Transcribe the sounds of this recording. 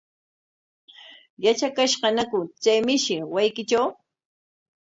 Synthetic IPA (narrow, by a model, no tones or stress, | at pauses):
jat͡ʃakaʃɢɑnakʊt͡sajmɪʃɪwajkɪt͡ʃaw